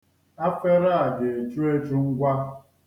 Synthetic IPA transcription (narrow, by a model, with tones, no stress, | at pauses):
a˦fe˦ɾa˦a˨de˨e˨t͡ʃu˦e˦t͡ʃu˦ŋ̩˦ɡʷa˦